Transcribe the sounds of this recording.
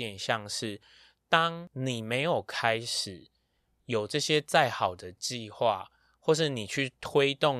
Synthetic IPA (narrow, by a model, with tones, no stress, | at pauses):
ɛ˨nɕjɑ˥˨ŋʂɻ̩˥˩ | t̪ɑ˦ŋni˨˩me˨˦ɪjo˨˩ʊkʰa˦ɪʂɻ̩˨˩ | jo˨˩ʊʈ͡ʂɤ˥˧ɕjɛ˦t͡sa˥˩ɪxɑ˨˩ʊd̪ə˩t͡ɕi˥˧˨xwa̰˥˨ | xwɔ˥˧ʂ̬ɻ̩˥˨ni˨˩t͡ɕʰy˥˨t̪ʰwe˦ɪt̪ɔ˥˨ŋ